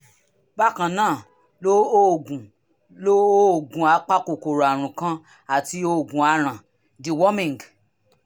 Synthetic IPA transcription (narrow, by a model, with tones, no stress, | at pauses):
ba˦˨kã˧˨nãː˦˨ | lo˦o˦˨ɡũ˨ | lo˦o˦˨ɡũ˨a˨˧˦k͡pa˦ko˨ko˨ɾa˨ɾ̃ũ˨kã˧ | a˨ti˧o˧˨ɡũ˨a˨˧ɾ̃ã˨ | di˨wɔ˦mĩ˨ŋ˨ɡ